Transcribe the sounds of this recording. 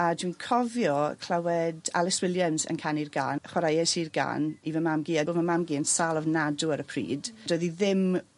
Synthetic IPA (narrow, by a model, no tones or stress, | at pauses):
adunkʰɔvjɔkʰl̥ˠawɛda̰lˠɪswɪlˠjamsə̰nkʰanirɡa̰ːnχwaɾajasirɡa̰ːnivəmamɡiːaovəmamɡiːənsalˠɔvnaduaɾəpʰrḭːd̥doɨðiðɪm